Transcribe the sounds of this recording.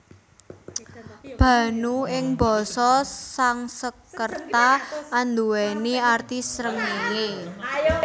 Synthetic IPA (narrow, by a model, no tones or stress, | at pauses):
b̥ä̤nuɪŋbɔ̤sɔsaŋsəkərt̪aːnd̪uwɛniart̪isɾəŋene